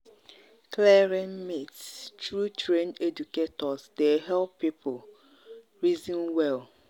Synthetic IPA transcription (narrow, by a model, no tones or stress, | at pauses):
klɛɾɛ̃nmittɹutɹẽnded͡ʒuketɔzdeɦɛlpːipʰʊl | ɹizĩnwɛl